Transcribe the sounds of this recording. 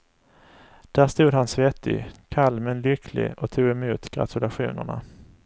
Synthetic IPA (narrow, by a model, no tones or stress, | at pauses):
d̪̥æːʂt̪uːd̪hansvɛt̪ʰːɪ̰kʰalmɛnlʏkʰlɪ̰ɔt̪ʰuːɡɛmuːt̪ɡ̥ɾa̰t̪ʰɵlaɧṵːnə̰ɳa̰